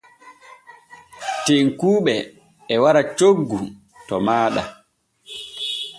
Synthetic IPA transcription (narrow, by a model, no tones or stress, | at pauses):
teŋkuːɓɛ | ɛwaɾat͡ʃoɡːu | tɔmaːɗa̰